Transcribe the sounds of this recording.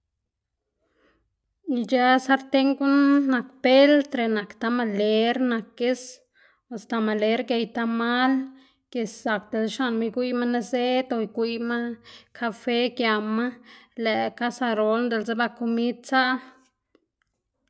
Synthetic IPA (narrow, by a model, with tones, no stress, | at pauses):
i˧d͡ʒa˦sa˦ɾt̪e˦ŋɡu˦nːa˨kpe˦lt̪ɾe˧na˨kt̪a˧ma˧le˨˧ɾna˨ke˦s | a˨st̪a˧ma˨le˧˦ɾɡe˧jt̪a˧ma˦l | ke˨sːa˨k̚d̪e˨lʃa˧nma˧jɡʷi˦jma˦na˧se˦t̪o˧jɡʷi˧ma˦kʰa˧fe˦kja˨ma˦lɛ˨ka˦sa˧ɾo˧lnd̪e˧˨lze˦ba˧ko˧mi˦d̪̚t͡sa˦ʔ